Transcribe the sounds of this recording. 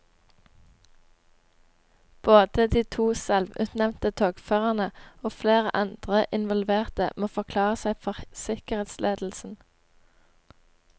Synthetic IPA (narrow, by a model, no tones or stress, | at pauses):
b̥oːd̪̥əd̪iːt̪ʰuːsɛlʋʉ̰ːt̪nɛmnt̪ət̪ʰoːɡføːʁɑnəoːfleːʁə̰ʔɑnd̪̥ʁəʔɪnʋɔlʋeːʁt̪ə̰moːfɔʁkʰlɑːʁəsæɪfɔʁsɪkəʁeːt̪slʔeːd̪l̩sn̩